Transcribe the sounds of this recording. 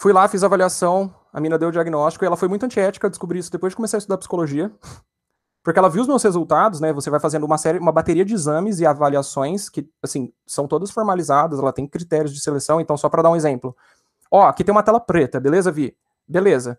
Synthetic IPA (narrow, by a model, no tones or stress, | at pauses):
fujlafizavaliasɐ̃w̃ | ɐ̰mĩnɐd̪ewʊd͡ʒiaɡinɔst͡ʃi̥kʊɪɛlɐfojmũjt̪ʊɐ̃nt͡ʃiɛt͡ʃɪ̥kɐd̪ɪ̥skubɾiisʊd̪epojzd͡ʒɪkomesaist̪ud̪aɾpsi̥koloʒiɐ | pʊɾkɪɛlɐviwʊzmewshezuwt̪ad̪ʊs̬nɛvosevajfazẽnd̪ʊumɐsɛɾɪũmɐbat̪eɾiɐd͡ʒɪːzɐ̃mɪzɪavaliasõj̃skɪ | asĩ | sɐ̃w̃t̪od̪ɐsfoɾmalizad̪ɐszɛlɐt̪ẽj̃kɾit̪ɛɾjʊzd͡ʒɪselesɐ̃w̃ẽnt̪ɐ̃w̃sɔpɾɐd̪aũezẽmplʊ | ɔkɪt̪ẽj̃umɐt̪ɛlɐpɾet̪ɐbelezɐvi | belezɐ